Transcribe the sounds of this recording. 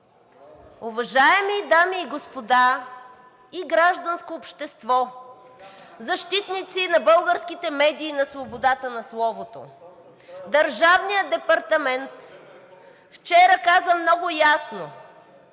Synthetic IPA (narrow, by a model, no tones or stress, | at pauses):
ʊvɐʒaɛmid̪amiːɡospod̪a | iɡɾaʒd̪ɐnskoːpʃt̪ɛst̪vɔ | zɐʃt̪it̪nit̪sinɐbɤlˠɡəɾskit̪ɛmɛd̪iːnɐsvobod̪at̪ənɐslˠɔvot̪o̰ | d̪ɐɾʒavnijəd̪ɛpɐɾt̪ɐmɛnt̪ | ft͡ʃɛɾəkazəmnɔɡʊjasno